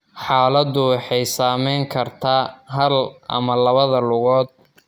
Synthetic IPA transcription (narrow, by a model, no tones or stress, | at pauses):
ħaːlɐd̪ʊwɑħɑjsaːmɛjŋkʰɐrt̪ʰaːɦɐlʔɐ̰mɐlɐβɐðɐlʊɣɔːd̪̚